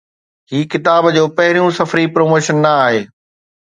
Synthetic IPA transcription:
ɦiːkɪt̪aːbd͡ʑoːpɐɦɪɾijũsɐfɾipɾoːmoːʃənːɐaːɦeː

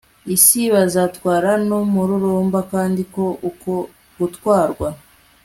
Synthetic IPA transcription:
isiβazatwaːɾanomuɾuɾoːmbakaːndiko̞ʔuko | ɡutwaːɾɡwa

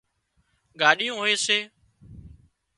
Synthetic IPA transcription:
ɡaːɗijũːɦoːeːseː

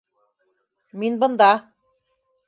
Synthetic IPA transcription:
minbɤ̆nd̪ɑ

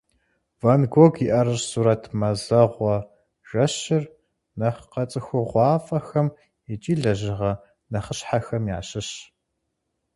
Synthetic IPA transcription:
vɐnɡʷɔɡiʔɐɾɨrsuːɾɐtʰmɐzɐʁʷɔ | ʒ̥ɐɕɪr | nɐχqɐt͡sʼɨxʷʊʁʷɑːfʼɐxɐm | it͡ʃʼiːɮɐʒɪʁɐ | nɐχəɕħaxɐmja̰ːɕɪɕ

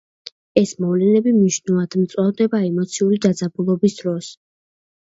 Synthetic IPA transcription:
ɛsmɔvlɛnɛbimniʃnulˠad̪̥mt̪sʼwavd̪ɛbaɛmɔt̪sʰiuɾid̪ad̪zabulˠɔbisd̪ɾɔs

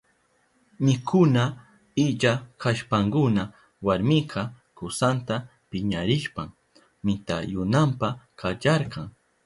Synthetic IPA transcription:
nɪkʰʊna | ɪʎakaʃpaŋkʊna | waɾmɪqʰɑ | kʊsant̪apɪɲaɾɪʃpaŋ | mɪt̪a̰jʊnampakat͡ʃɑɾqɑŋ

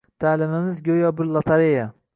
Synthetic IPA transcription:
t̪ʰaːlɪmɪmɪzɡʲojɒbʊɾlˠat̪ʰaɾeja

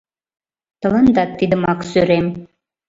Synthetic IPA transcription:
t̪ɤ̆lɑnd̪ɑt̪ːid̪əmɑksøɾem

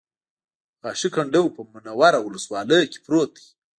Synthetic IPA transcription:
ɣɑʃikaɳɖəwpəmʊnawaɾawʊləswɑləjoke̥pɾot̪̚d̪i

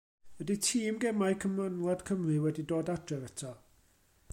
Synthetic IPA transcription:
wɛditʰiːmɡɛmajkʰəmənlˠad̥kʰəmrɨwɛdidoːdadrɛvətʰɔ

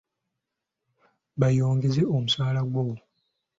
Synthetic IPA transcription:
βajo̞ːŋɡe̞zeomusaːlaɡwowo

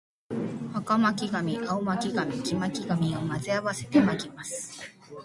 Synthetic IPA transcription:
hakamakʲiɡamʲiʔaomakʲiɡamʲid͡ʑimakʲiɡamʲiomazɨaβase̞̥t̪e̞maɡʲimasɨ̥

